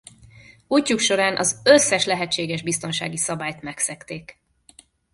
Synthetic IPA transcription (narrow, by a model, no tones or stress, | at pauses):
ucːukʃo̞ɾaːnʔɒ̰zøsːɛʃlɛɦɛt͡ʃːeːɡɛʒbist̪o̞nʃaːɡisɒbaːjt̪mɛksɛkt̪eːk